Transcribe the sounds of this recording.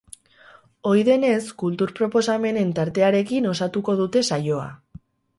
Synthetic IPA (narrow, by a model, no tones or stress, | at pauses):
o̞jðe̞ne̞skult̪uɾpɾo̞po̞same̞ne̞nt̪aɾt̪e̞aɾe̞kino̞sat̪uko̞ð̞ut̪e̞sajo̞a̰